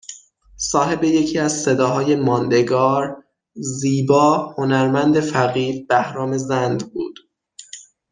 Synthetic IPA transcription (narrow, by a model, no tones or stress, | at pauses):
sɒːɦe̞be̞je̞cʰiːæzse̞d̪ɒːɦɒːje̞mɒːnd̪e̞ɡɒːɾ | ziːbɒːho̞næɾmænd̪e̞fæɣiːɾb̥æhɾɒːmezænd̪bṵːd̪̥